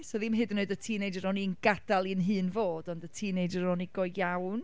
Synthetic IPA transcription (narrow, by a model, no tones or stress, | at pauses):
soðɪmɦɨdnɨdətʰiːnejd͡ʒəɾɔniənɡad̥alˠinɦɨːnvoːdɔndətʰiːnejd͡ʒəɾɔniɡɔjjawn